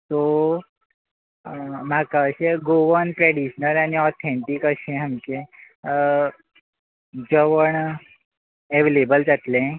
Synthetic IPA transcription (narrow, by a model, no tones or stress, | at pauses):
t̪o | m̤akaəɕẽɡoʋənpɾɛɽiɕnəlañiɔt̪ʰẽɳʈikəɕẽɦamkẽ | d͡zəʋəɳ | eʋelebəld͡zat̪lẽ